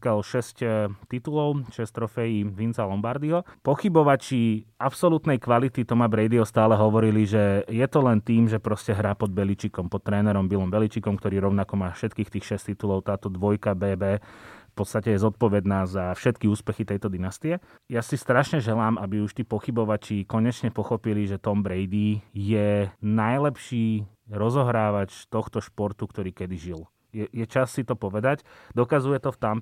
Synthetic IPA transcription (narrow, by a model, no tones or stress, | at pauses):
kalʃɛsct̪it̪ulɔʊʃɛst̪ɾɔfɛjiːʋint͡salɔmbaɾd̪iɦɔpɔxibɔʋat͡ʃiːʔapsɔlut̪nɛjkʋalit̪it̪ɔmabɾɛjd̪iɦɔst̪aːlɛɦɔʋɔɾiliʒɛjɛt̪ɔlɛnt̪iːmʒɛpɾɔscɛɦɾaːpɔd̪̚bɛlit͡ʃikɔmpɔt̪ːɾɛːnɛɾɔmbilɔmbɛlit͡ʃikɔmkt̪ɔɾiːɾɔʊnakɔmaːfʃɛt̪kiːxt̪iːxʃɛst̪it̪ulɔʊt̪aːt̪ɔd̪ʋɔjkabɛːbɛːfpɔt̪st̪acɛjɛzɔt̪̚pɔʋɛd̪naːzafʃɛt̪kiuːspɛxit̪ɛjt̪ɔd̪inast̪iɛ | jasist̪ɾaʃɲɛʒɛlaːmabiuʃt̪ipɔxibɔʋat͡ʃikɔɲɛt͡ʃɲɛpɔxɔpiliʒɛt̪ɔmbɾɛjd̪ijɛnajlɛpʃiː | ɾɔzɔɦɾaːʋat͡ʃt̪ɔxt̪ɔʃpɔɾt̪ukt̪ɔɾiːkɛd̪iʒil | jɛjɛt͡ʃasːit̪ɔpɔʋɛd̪acd̪ɔkazujɛt̪ɔft̪am